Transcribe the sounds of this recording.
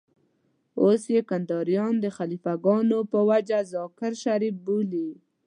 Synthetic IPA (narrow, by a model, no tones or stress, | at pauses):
osjekand̪ɑɾijɑnd̪əxalifaɡɑnopəwad͡ʒazɑkɪɾʃaɾif̚boli